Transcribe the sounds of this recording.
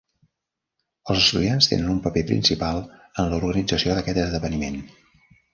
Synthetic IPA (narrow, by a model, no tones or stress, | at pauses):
əlˠzəst̪uðianst̪ḛnənumpəpepɾḭnsipalˠənləuɾɣənid͡zəsioðəkɛt̪əzðəβənimen